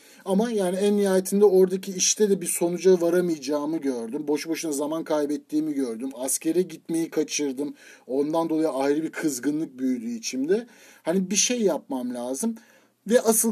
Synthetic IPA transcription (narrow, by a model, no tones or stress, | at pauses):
amajaːniænːijaːjet̪ʰind̪ɛo̞ɾd̪acʰiːʃt̪ʰɛd̪ɛbiɾso̞nud͡ʒavaɾamɯjd͡ʒaːmɯɟøɾd̪ymbo̞ʃboʃɯnazamankʰajbɛt̪ʰːiːmiɟøɾd̪ymasce̞ɾɛɟit̪me̞jikʰat͡ʃʰɯɾd̪ɯmo̞nd̪and̪o̞lˠajɯajɾɯbiɾkʰɯzɡɯnlˠɯk̚byjlʲyːt͡ʃʰimd̪ɛhanibiʃejːap̚mamlʲaːzɯm | vɛʔasɯl